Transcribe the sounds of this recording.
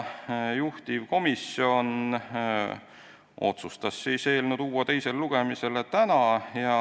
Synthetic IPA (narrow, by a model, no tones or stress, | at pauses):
juht̪ivko̞miso̞n | o̞̰t̪sust̪ɑsːiːse̞ːlnud̪̥uːɑt̪e̞jse̞lːluɡ̥e̞mise̞let̪ænɑjɑ